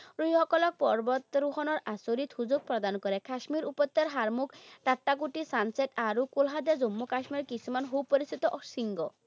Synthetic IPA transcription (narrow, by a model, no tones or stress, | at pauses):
ɾujɦɔkɔlɔk̚pɔɾbɔt̪ɾuɦɔnɔɾasoɾit̪huzuk̚pɾɔd̪ankɔɾɛkaʃmiɾupɔt̪ːeɾɦaɾmukʈaʈːakuʈisanseʈaɾukolɦad̪ad͡zomːokaʃmiɾɔkisʰumanɦowpoɾist̪ʰit̪ɔʔsiŋɡɔ